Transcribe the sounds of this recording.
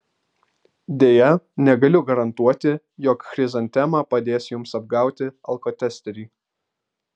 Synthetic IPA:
d̪ʲeːjɛnʲɛɡɐlʲʊɡɐɾɐnt̪uɔt̪ʲɪ | jɔkxɾʲɪzɐnʲt̪ʲɛmɑːpɐd̪ʲeːsjʊmsɐb̚ɡɑˑʊt̪ʲɪɐlˠkɔt̪ʲɛsʲt̪ʲɛɾʲiː

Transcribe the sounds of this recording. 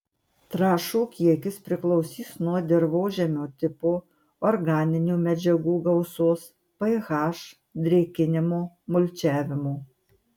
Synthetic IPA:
t̪ɾɑːʃuːkʲiɛkʲɪspʲɾʲɪklˠɔʊsʲiːsnuɔd̪ʲɛɾʋoːʒʲɛmʲoːt̪ʲɪpoː | ɔɾɡɑːnʲɪnʲuːmʲɛd͡ʒʲɛɡuːɡɐʊsoːs | pɐɪɣɑːʃ | d̪ʲɾʲɛkʲɪnʲɪmoː | mʊlʲt͡ʃʲæːʋʲɪmoː

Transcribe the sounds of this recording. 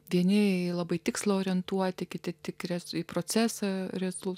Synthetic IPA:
ʋʲiɛnʲɪilˠɐbɐɪt̪ʲɪkslˠɐoːɾʲɛnt̪uɔt̪ʲɪkʲɪt̪ʲɪt̪ʲɪkɾʲɛzipɾoːt͡s̪ʲæːsɐɾʲɛzʊlˠ

